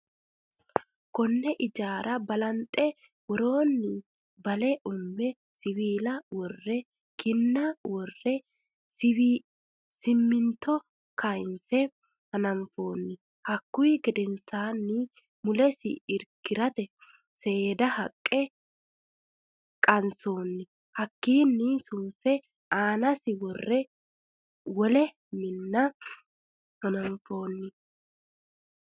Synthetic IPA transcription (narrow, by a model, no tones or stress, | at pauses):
kɔnːɛʔɪd͡ʒaːɾɐbɐlɐnt̪ʼɛ | wɔɾo̞ːnːɪ | bɐlɛʔʊmːɛ | sɪwiːlɐwɔrːɛ | kɪnːɐwɔrːɛ | sɪmːɪnt̪ɔ | kʰɐjnsɛ | hɐnɐɱfoːnːɪ | hɐkːʊiɡɛd̪ɛnsaːnːɪ | mʊlɛsɪ̰ɪɾkːɪɾɐt̪ɛ | se̞ːd̪ɐhɐkʼːɛ | kʼɐnso̞ːnːɪ | hɐkːiːnːɪsʊmfɛ | aːnɐsɪwɔrːɛ | wɔlɛ | mɪnːɐ | hɐnɐmfo̞ːnːɪ